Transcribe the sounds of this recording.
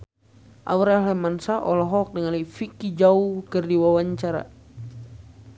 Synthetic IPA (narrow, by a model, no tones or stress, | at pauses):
ʔa̰wɾaɦɛmansaʔɔlɔɦɔk̚dəŋalaifikid͡ʒaukərdiwawaɲt͡ʃaɾa̰